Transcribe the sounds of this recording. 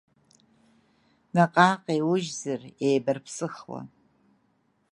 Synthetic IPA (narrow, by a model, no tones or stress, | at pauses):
naqʼaːqʼewʊʒzɨrejbɨrpʰsɨχwa̰